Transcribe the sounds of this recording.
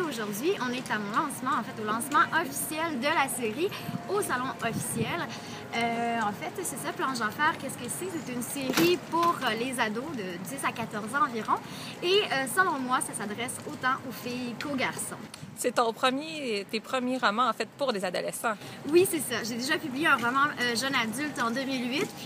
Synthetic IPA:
oʒuʁd̪ɥiʔɔ̃nɛt̪amɔ̃lɑ̃smɑ̃ɑ̃fɛt̪olɑ̃smɑ̃ʔɔfi̥sjɛld̪əlaseʁiosalɔ̃ɔfi̥sjɛl | øɑ̃fɛt̪sɛsaplɑ̃ʒɑ̃fɛːʁkʲɛskəsɛset̪ɛynseʁipuʁlezad̪od̪əd̪isakat̪ɔʁzɑ̃ːviʁɔ̃ | eøsəlɔ̃mwasasad̪ʁɛsot̪ɑ̃ʔofijkoɡʲaʁsɔ̰̃sɛt̪ɔ̃pχəmjet̪epχəmjeʁɔmɑ̃ːfɛt̪̚puʁlezad̪ɔ̰lɛsɑ̃wisɛsaʒed̪eʒapyblijeɛ̃ʁɔmɑ̃øʒœnad̪ylt̪ɑ̃d̪ømilɥit̪

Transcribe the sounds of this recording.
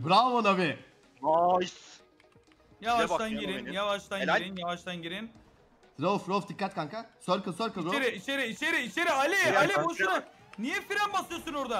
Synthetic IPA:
bɾamonabiɪ | ajs | javaʃʰanɟiɾinjavaʃt̪ʰaniɾinjavaʃt̪ʰanɟiɾin | ɾofɾofd̪ikːat̪kaŋkasøɾkɯsøɾkɯiɾeɾiit͡ʃeɾiːt͡ʃeɾiit͡ʃʰeɾialʲɛalʲɛboʃnnijɛfiɾænbasɯjosunoɾd̪a

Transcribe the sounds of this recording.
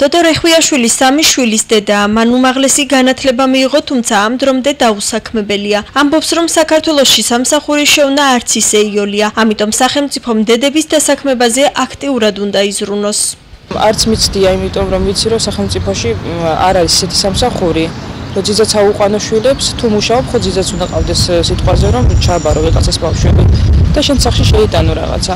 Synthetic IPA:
d̪̥ɔd̪ɔɾɛχwiaʃwilisːamiʃwilisd̪ɛd̪amanumaʁlɛsiɡanat̪ʰlɛbamiːʁɔt̪ʰumt̪sʰaːmd̪ɾɔmd̪ɛd̪ausakʰmɛbɛliaambɔpsɾɔmsakʰaɾt̪ʰwɛlˠɔsʃisamsaχuɾiʃɛunaːɾt̪sʰisɛiɔliaamit̪ʼɔmsaχɛlˠmt̪sʼipʰɔmd̪ɛd̪ɛbisd̪asakʰmɛbazɛʔakʰt̪ʼiuɾad̪und̪aizɾunɔs | a̰ɾt̪sʰmit̪sʰd̪iaimit̪ʼɔmɾɔmvit̪sʰiɾɔsaχɛlˠmt̪sʼipʰɔʃia̰ɾaɾisisɛt̪ʰi̥samsaχuɾi | ɾɔd̪zizat̪sʰauqʼwanɔʃwilɛpst̪ʰumuʃaɔpχɔd̪zid̪zat̪sund̪aqʼavd̪ɛsːit̪ʼqʼwazɛɾɔmt͡ʃʰabaɾɔviqʼat̪sʰɛsbafʃwɛbid̪̥aʃɛnsaχʃiʃɛit̪ʼanɔɾa̰ʁa̰t̪sʰa

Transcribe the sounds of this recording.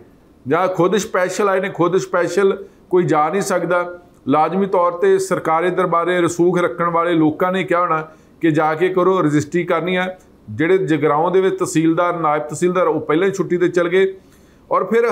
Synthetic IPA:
d͡ʒãːkʰʊd̪ʃpɛːʃəlaːinẽːkʰʊd̪ʃpɛːʃəl | koːiːd͡ʒaːnĩːsəkd̪aː | laːd͡ʒmiːt̪ɔːɾt̪eːsəɾkaːɾeːd̪əɾbaːɾeːɾɪsuːkʰɾəkʰːəɳʋaːleːloːkãːnẽːkjaːoːnaː | kɪd͡ʒaːkeːkəɾoːɾɪd͡ʒɪsʈɾiːkəɾnĩːɛː | d͡ʒeːɽeːd͡ʒəɡɾaːõːd̪eːʋɪt͡ʃt̪əsiːld̪aːɾnaːɪb̚t̪əsiːld̪aːɾoːpɛːlãːt͡ʃʰʊʈːiːt̪eːt͡ʃəlɡeː | ɔːɾpʰɪɾ

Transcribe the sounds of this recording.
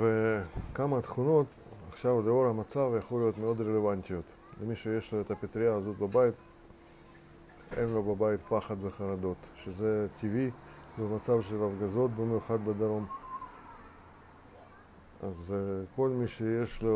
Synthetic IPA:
vekamat̪χuno̞t̪ | aχʃavleoɾhamat͡savjaχlulijo̞t̪meo̞d̪ɾelevant̪ijot̪ | lemiʃejeʃloet̪apet̪ɾijaːzo̞t̪̚babajit̪ | enlo̞babajit̪paχad̪veχaɾad̪o̞t̪ʃezet̪ʰivi | bemat͡savʃelafɡazo̞t̪̚bemejuχad̪bed̪aɾom | a̰zko̞lmiʃejeʃlo

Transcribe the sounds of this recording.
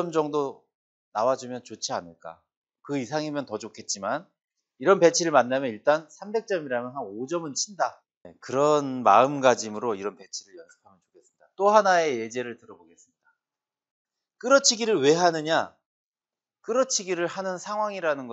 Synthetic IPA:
ʌmd͡ʑʌŋdo | nawad͡ʑumjʌnt͡ɕot͡ɕʰianɯɭk͈a̰ | kɯisʰaŋimjʌntʌd͡ʑokʰe̞t̚t͡ɕ͈iman | iɾʌnpe̞t͡ɕʰiɾɯɭmanːamjʌniɭt͈ansʰambe̞k̚t͡ɕ͈ʌmiɾamjʌnɦanod͡ʑʌmɯnt͡ɕʰinda | ekɯɾʌnmaɯmɡad͡ʑimɯɾoiɾʌnpe̞t͡ɕʰiɾɯɭjʌsʰɯ̥pʰamjʌnt͡ɕo̥kʰes͈ɯmɲid̥at͈ohanae̞je̞d͡ʑe̞ɾɯɭtɯɾʌboɡe̞s͈ɯmɲida | k͈ɯɾʌt͡ɕʰiɡiɾɯɭwe̞ɦanɯɲa | kɯɾʌt͡ɕʰiɡiɾɯɭhanɯnsʰaŋwaŋiɾanɯnɡʌ

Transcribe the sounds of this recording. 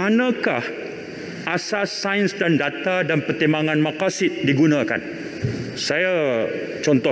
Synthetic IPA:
anãkah | ʔasasːajnsdandat̪adanpərt̪imbaŋãnmãkasɪt̪̚diɡunãka̰n | sajat͡ʃɔnt̪ɔ

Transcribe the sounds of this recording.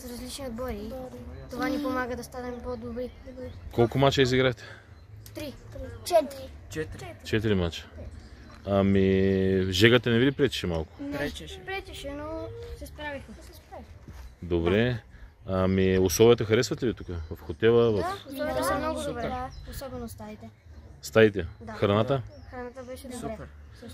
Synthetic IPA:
sɾɐzlit͡ʃniod̪̚bɔjit̪ovanipomaɡəd̪ɐst̪anɛmpod̪obɾiɛkolˠkʊmat͡ʃəiziɡɾat̪ɛ̥ | t̪ɾit͡ʃɛt̪ɾit͡ʃɛt͡ʃɛt̪iɾimat͡ʃə̥ | amiʒɛɡət̪ɐnɛvid̪ipɾɛt̪i̥ʃɛmalˠkʊ̥ɾɛt͡ʃʃpɾɛt̪iʃɛnosɛspɾavixɛpaid̪obɾɛ | amioslˠɔviət̪əxɐɾɛsvɐt̪ɛvit̪ukəvɐfxot̪ɛlˠəvɐfɛmnoɡaosɔbɛnost̪ait̪ɛ | st̪ait̪ɛxɾɐnat̪əxɾɐnat̪əbɛʃɛup

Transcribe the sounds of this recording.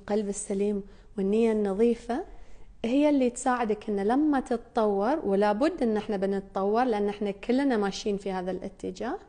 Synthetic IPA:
qalbɪsːaliːm | wɪnːɪjːanːɑðˤiːfa | hɪjːalːit̪saːʕɪd̪akʔɪnːalamːat̪ɨt̪ˤt̪ˤɑwːɑɾˤwɪlaːbʊd̪ːʔɪnːʔɪħnabɪnɨt̪ˤt̪ˤɑwːɑɾˤlɪʔanːʔɪħnakɪlːnamaːʃiːnfihaːðalʔɪ̰t̪ːɪd͡ʒaːh

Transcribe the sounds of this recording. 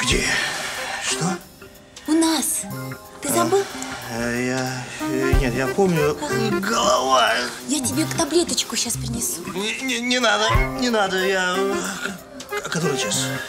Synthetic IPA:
ɡ̥dʲḛ | ʂt̪o | ʊnas | t̪ɨzɐbɨlˠ | ja | nʲet̪japomnʲʊɡəlˠɐvajjatʲɪbʲekt̪ɐblʲe̞t̪ət͡ɕkʊɕaspɾʲɪnʲɪsunʲt̪nʲɪnad̪ənʲɪnad̪əja | kɐt̪oɾɨt͡ɕas

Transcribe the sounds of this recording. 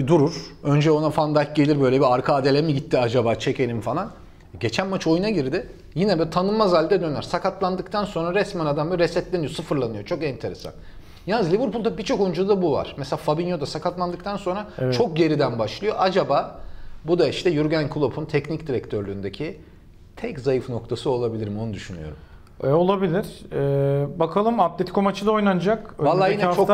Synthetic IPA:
d̪uɾuɾ̥ø̞nd͡ʒɛo̞nafand̪aɟe̞lʲiɾbø̞jlʲebiaɾkʰaːd̪e̞lʲemiɟit̪ʰːiad͡ʒabaːt͡ʃʰecʰe̞lʲimfalˠan | ɟe̞t͡ʃʰænmat͡ʃʰo̞junaɟiɾd̪ɪ | jinɛbt̪ʰanɯmmːazalʲd̪ɛd̪ønæɾsakat̪lˠand̪ɯk̚t̪ʰanso̞nɾaɾɛsmanad̪ambaɾɛsɛt̪lʲenijo̞sɯfɯɾlˠanɯjo̞t͡ʃʰo̞kɛnt̪ʰe̞ɾesa̰n | janɯzlʲivɯɾpulˠd̪abit͡ʃʰo̞kojund͡ʒulˠd̪abuva̰ɾ̥mɛselʲaːfabinjod̪asakat̪lˠand̪ɯk̚t̪ʰanso̞nɾat͡ʃʰo̞k̚ɟe̞ɾid̪ænbaʃlˠɯjo̞ʔad͡ʒabaːbud̪aiʃt̪ʰɛjyɾɟænkʰulˠopʰunt̪ʰɛcnicd̪iɾɛct̪ʰøɾlʲyːnd̪ecʰi | t̪ʰɛczajɯfno̞k̚t̪ʰasɯo̞lˠabilʲiɾimo̞nud̪yʃyny̰jo̞̰ɾum | olˠabilʲiɾ̥ɛːbakʰalˠɯmap̚d̪et̪ʰi̥kʰomat͡ʃʰɯd̪aojnand͡ʒakvalˠːaːjint͡ʃʰo

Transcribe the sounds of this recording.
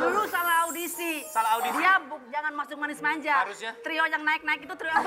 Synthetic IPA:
dulusalahaudisisalaaudidiabʊk̚d͡ʒaŋanmasʊk̚manɪsmaɲd͡ʒaɾʊsɲat̪ɾiɔjaŋnaɪk̚naɪkit̪ut̪ɾiɔ

